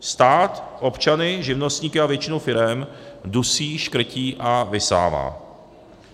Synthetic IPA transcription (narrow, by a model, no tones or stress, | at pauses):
st̪aːt̪ʔo̞pt͡ʃanɪʒɪvno̞st̪ɲiːkɪavjɛt͡ʃɪnowfɪɾɛmdusiːʃkr̩ciːʔavɪsa̰ːva̰ː